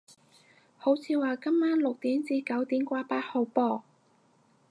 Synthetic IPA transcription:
ho˨˥wt͡sʰiː˧waː˨kɐ˥mːaː˥nlʊ˨k̚t̪iː˨˥mt͡siː˧kɐ˨˥wt̪iː˨˥mkʷaː˧paː˧t̚ho˨˧wpɔː˧

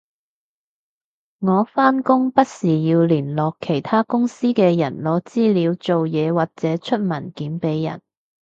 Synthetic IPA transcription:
ŋɔː˨˧faː˥nkʊ˥ŋpɐ˥t̚siː˨˩jiː˧wliː˨˩nlɔː˨kʰːe˨˩jt̪ʰaː˥kʊ˥ŋsiː˥kɛː˧jɐ˨˩nlɔː˨˧˥t͡siː˥liː˨˧wt͡so˨wjɛː˨˧waː˨˩k̚t͡sɛː˨˥t͡ʃʰɵ˥t̚mɐ˨˩nkiː˨˥npe˨˧jːɐ̰˨˩n

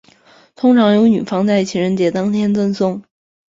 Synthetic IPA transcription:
t̪ʰʊ˥ŋʈ͡ʂʰɑ˧˥ŋjo˧˥ʊny̰˨˩fɑ˥ŋt͡sa˥˩ɪt͡ɕʰi˨˥˩ɻə˧˥nt͡ɕjɛ˧˥t̪ɑ˥ŋt̪ʰjɛ˥nt͡swə˥˧nsʊ˥˩ŋ

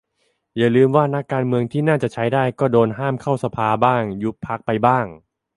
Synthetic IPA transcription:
jaː˨˩lɯː˧mwaː˥˩na˦˥kːaː˧nmɯ˧əŋt̪ʰiː˥˩naː˥˩t͡ɕa˨˩t͡ɕʰa˦˥jdaː˥˩jkɔː˥˩doː˧nɦaː˥˩mkʰa˥˩wsa˧pʰaː˧baː˥˩ŋju˦˥pʰːa˦˥k̚pa˧jbaː˥˩ŋ

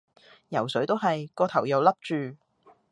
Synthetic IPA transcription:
jɐ˨˩wsɵ˨˥ɥt̪o˥wɦɐ˨jkɔː˧t̪ʰɐ˨˩wjɐ˨wlɐ˥p̚t͡ʃyː˨

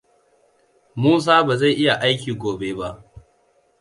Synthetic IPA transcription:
muː˦s̬aː˦ba˨za˦˨jʔɪ˦ja˨ʔa˦jkʲiː˨ɡʷoː˨beː˦ba˦ʔ

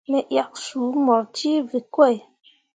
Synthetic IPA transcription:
mɛ˨ʔja˨k̚su˨˦mɔ˨ɾti˦vi˨kwɛ˦˨

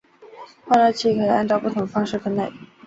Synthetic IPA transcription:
xa˥˧la˥˧t͡ɕʰi˥˩kʰɤ˧˩˥a˥˧nʈ͡ʂɑ˥˧ʊpu˥˩t̪ʰʊ˨˧˦ŋə˧fɑ˥ŋʂɻ̩˥˩kʰə˥˩ne˥˩ɪ

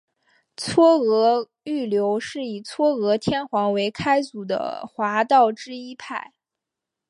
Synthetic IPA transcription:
t͡sʰwɔ˥ɤ˧˥ | y˥˩ljo˧˥ʊʂɻ̩˥˩i˨˩t͡sʰwɔ˥ɤ˧˥t̪ʰjɛ˥nxwɑ˧˥ŋwe˧˥ɪkʰa˥ɪt͡su˨˩d̪ə̰˦xwa˧˥t̪ɑ˥˩ʊʈ͡ʂɻ̩˥i˥pʰa˥˩ɪ

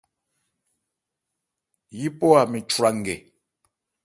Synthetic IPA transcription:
ji˦pɔ˦a˨mi˨t͡ʃu˨ɾa˨ŋ˨ɡɛ˨

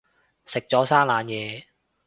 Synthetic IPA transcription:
sɪ˨k̚t͡sɔː˨˥saː˥nlaː˨˧njɛː˨˧

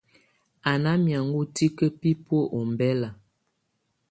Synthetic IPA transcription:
a˨na˦mja˨ŋ˦ɡu˦ti˦kə˦pi˦pwo˦ʔo˨m˨bɛ˦la˨

